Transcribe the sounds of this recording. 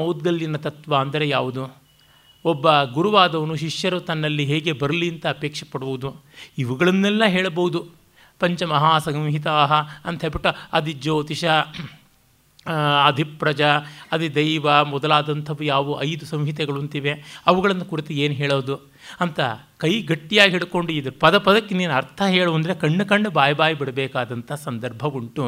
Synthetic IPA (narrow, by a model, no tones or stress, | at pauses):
mɐwd̪̚ɡɐlːinɐt̪ɐt̪ʋaɐnd̪ɐɾejaːʋud̪u | ɔbːɐɡuɾuʋaːd̪ɐʋɐnuʃiʂjɐɾut̪ɐnːɐlːiɦeːɡe̞bɐɾɐliɐnt̪ɐːpeːkʂɐpɐɽɐbɐud̪u | iʋuɡɐɭɐnːɛlːɐɦeːɭɐbɐʋud̪u | pɐɲt͡ʃɐmɐɦaːsɐŋɦit̪aːɦɐɐnt̪ɐpiʈːɐɐd̪id͡ʒoːt̪iʃɐ | d̪ʱipɾɐd͡ʒɐɐd̪id̪ɐjʋɐmɔd̪ɐlaːd̪ɐnt̪ʰɐʋːujaːʋuʔɐjd̪usɐmɦit̪ɛɡɐɭunt̪iʋeɐʋuɡɐɭɐnːɐkuɾit̪ueːnuɦeːɭoːd̪u | ɐnt̪ɐ | kɐjɡɐʈːijaːɡiɦiɽko̞ɳɖuid̪ɐɾpɐd̪ɐpɐd̪ɐkːineːnɐɾt̪ʰɐɦeːɭuʋɐnd̪ɐɾekɐɳːukɐɳɖubaːjɐbaːjɐbiɽɐbɛːkaːd̪ɐnt̪ɐɦɐsɐnd̪ɐɾbʱɐʋuɳʈu